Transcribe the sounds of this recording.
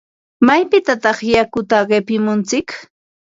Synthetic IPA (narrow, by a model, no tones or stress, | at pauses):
majpɪt̪at̪ɑχjakʊt̪aɢepɪmʊnt͡sɪk